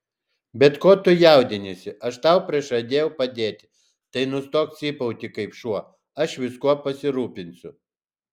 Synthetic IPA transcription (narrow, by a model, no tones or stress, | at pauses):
bʲɛt̪koːt̪ʊjɛˑʊd̪ʲɪnʲesʲɪʔɐʃt̪ɐˑʊpʲɾʲɪʃɐd̪ʲeːjɛʊpɐd̪ʲeːt̪ʲɪ | t̪ɐɪnʊst̪oːksʲiːpɐʊt̪ʲɪkɐɪpʃuɔ | ɐʃʋʲɪskuɔpɐsʲɪɾuːpʲɪnʲsʲʊ